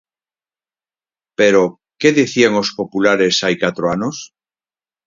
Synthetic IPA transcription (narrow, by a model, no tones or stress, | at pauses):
peɾo | keðiθiaŋospopulaɾesajkat̪ɾoanos